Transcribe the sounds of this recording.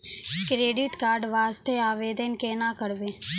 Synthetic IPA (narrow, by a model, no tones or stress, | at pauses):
kɾeːɖɪʈkaːɾɖʋaːst̪eaːʋeːd̪ənkeːnaːkəɾbeː